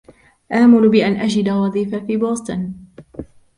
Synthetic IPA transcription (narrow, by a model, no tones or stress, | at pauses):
ʔaʕmʊlbɪʔanʔad͡ʒɪd̪awɑðˤiːfafiːboːst̪ˤɑn